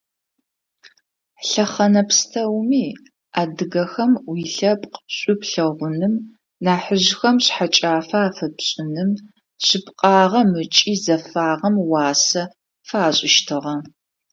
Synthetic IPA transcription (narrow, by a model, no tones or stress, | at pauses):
ɬɐχɐnɐpstʰɐwmiː | ʔaːdɨɣɐxɐmwiːɬɐpʼqəɕʼʊpɬɐʁʷʊnɨm | naːħəʑxɐmɕħat͡ʃʼaːfaaːfɐpɕʼɪnɨm | ɕɪpqʼɑːʁɐmɨt͡ʃʼiːzɐfaːʁɐmwɑːsɐ | faːɕʼɪʃtʰɨʁɐ